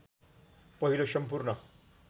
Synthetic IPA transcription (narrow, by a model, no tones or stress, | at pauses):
pʌɦilosʌmpurnʌ